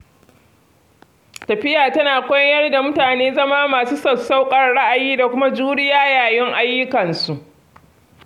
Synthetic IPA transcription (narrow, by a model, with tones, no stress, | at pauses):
tɐ˨ɸɪ˦jaː˨tɐ˦naː˨kʷɔ˦jɐ˦rda˨mʊ˦taː˨neː˦zɐ˦maː˦maː˨suː˦sɐ˨sa˦wkʼɐ˨rɽa˦ʔa˨jiː˦da˨kʷʊ˦ma˦d͡ʒuː˦ɽɪ˦jaː˦jaː˨jɪ˦ŋʔa˦jːʊ˦kɐ˨nsu˨ʔ